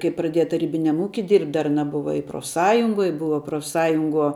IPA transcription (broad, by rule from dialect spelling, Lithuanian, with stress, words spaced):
kɐɪ prɐˈdʲiɛjɛ tɐˈrʲiːbʲɪnʲɛm ˈuːkʲɪ ɪr dɐr ɐˈnɐ ˈbʊʋɐ ɪ proːfˈsɑːjʊŋɡoːj ˈbʊʋɐ proːfˈsɑːjʊŋɡuɔ